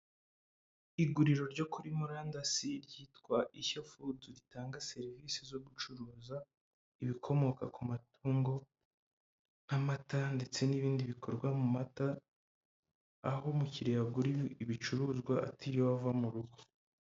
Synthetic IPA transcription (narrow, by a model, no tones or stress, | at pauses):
iɡuɾiɾo̞ɾɟo̞kuɾimuɾaːndasiɾɟiːtkwaʔiçofuzuɾitaːŋɡase̞ɾiviːsizo̞ɡut͡ʃuɾuːza | iβikʰo̞mo̞kakumatuːŋɡo̞ | namatande̞t͡se̞niβiːndiβikʰo̞ɾɡwamumata | ho̞muciɾejaɡuɾiiβit͡ʃuɾuːzɡwaʔa̰tijowavamuɾuɡo